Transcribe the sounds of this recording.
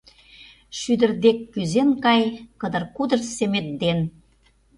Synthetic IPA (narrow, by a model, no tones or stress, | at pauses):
ʃyd̪ə̆rd̪ekːyzenkɑjkə̆d̪ə̆rkud̪ə̆rsemet̪̚d̪en